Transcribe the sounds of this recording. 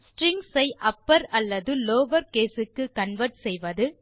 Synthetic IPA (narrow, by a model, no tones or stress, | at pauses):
sʈɾɪŋɡsɐɪʔɐpːɐɾɐlːɐðɯloːʋɐɾkeːsɯkːɯkɐɳʋɐɾʈsɛjʋɐðɯ